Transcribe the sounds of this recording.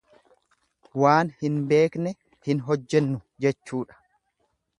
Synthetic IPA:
waːnhɪnbe̞ːknɛ | hɪnɦɔd͡ʒːɛnːʊ | d͡ʒɛt͡ʃːuːᶑɐ̥

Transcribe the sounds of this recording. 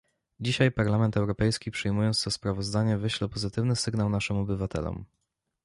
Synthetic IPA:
d͡ʑiɕajpaɾlamɛnt̪ɛwɾɔpɛjskʲipʂɘjmujɔnt̪st̪ɔspɾavɔzd̪aɲɛvɘɕlɛpɔzɘt̪ɘvnɘsɘɡnawnaʂɘmɔbɘvat̪ʰɛ̰lɔ̰m

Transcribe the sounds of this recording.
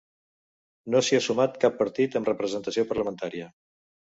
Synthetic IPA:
nosiəsumat̪kapːəɾt̪it̪əmrəpɾəzənt̪əsiopəɾləmənt̪aɾiə

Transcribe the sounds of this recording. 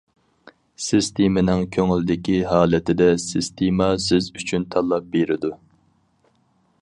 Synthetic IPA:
sɪst̪ʰemɪnɪŋkʲʰøŋlɪd̪ɪkʲiɦɑːlˠɪt̪ʰɪd̪ɛsɪst̪ʰemɑsɪzyt͡ʃʰynt̪ʰɑlˠːɑp̚beɾɪd̪u

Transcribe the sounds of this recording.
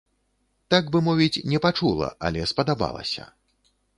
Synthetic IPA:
t̪aɡbɨmɔvʲit͡sʲnʲɛpat͡ʂulˠɐ̰ʔɐ̰lʲɛspɐd̪aba̰lˠɐ̰sʲɐ̰

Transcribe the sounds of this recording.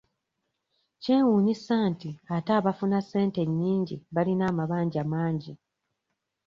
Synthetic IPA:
ce̞ːwuːɲisantiataːβafunase̞ːnte̞ɲːiːɲɟiβalinaːmaβaːɲɟamaːɲɟi

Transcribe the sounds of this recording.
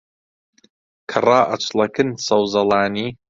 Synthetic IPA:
kʰɐrˤɑːʔɐt͡ʃlɐkɨnsɐwzɐlˠaːniː

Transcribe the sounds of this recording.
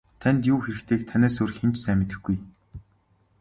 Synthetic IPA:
t̪ʰænʲt̪juːxeɾɘ̆kt̪ʰeːk̚t̪ʰanæːs̬uːrxent͡ɕsæːmɪt̪ɘ̆xɡɡuj

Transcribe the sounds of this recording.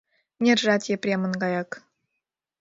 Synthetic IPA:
nʲerʒɑt̪ʲjeprʲemɤ̆nɡɑjɑk

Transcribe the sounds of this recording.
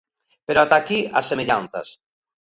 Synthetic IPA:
peɾoat̪akiasːemeʎanθɐ̰s

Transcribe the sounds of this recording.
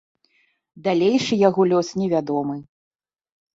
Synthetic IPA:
d̪alʲejʂɨjaɣɔlʲɔsnʲɛvʲad̪ɔmɨ

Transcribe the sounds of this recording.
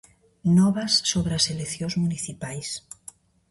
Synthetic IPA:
nɔβasːoβɾaseleθjõzmuniθipajs

